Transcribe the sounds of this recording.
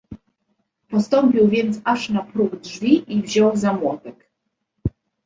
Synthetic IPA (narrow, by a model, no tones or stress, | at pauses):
pɔst̪ɔmpʲiwvʲjɛnt̪saʂnapɾuɡdʐvʲiʔivʑɔwzamwɔt̪ɛk